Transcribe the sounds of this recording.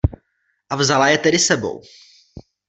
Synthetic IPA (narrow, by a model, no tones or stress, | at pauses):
ʔavzalajɛt̪ɛdɪsɛbo̰w